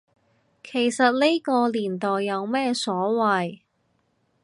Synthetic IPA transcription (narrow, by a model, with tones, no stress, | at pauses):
kʰe˨˩jsɐ˨t̚ne˥jkɔː˧liː˨˩nt̪ɔː˨jːɐ˨˧wmɛː˥sɔː˨˥wɐ˨j